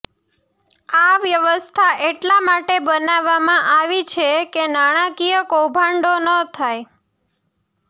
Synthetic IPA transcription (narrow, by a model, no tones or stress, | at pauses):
aʋjəʋəst̪ʰaʔeʈlamaʈebənaʋːamãʔaʋit͡ʃʰekenaɽ̃akijəkowbʱãɳɖonət̪ʰaj